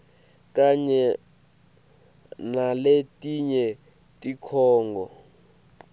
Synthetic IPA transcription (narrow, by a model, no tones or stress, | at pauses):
kaɲɛ | naletʼiɲɛ | tʼikʰɔːŋɡɔ